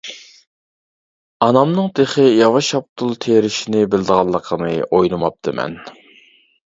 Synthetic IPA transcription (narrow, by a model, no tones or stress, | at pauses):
ɑnɑmnɨŋd̪eχəjɑwɑʃɑp̚t̪ʰulˠt̪ʰeɾɪʃinɪbɪld̪əʁɑlˠːəqʰənɨʔojnɨmɑp̚t̪ʰɨmɛ̰n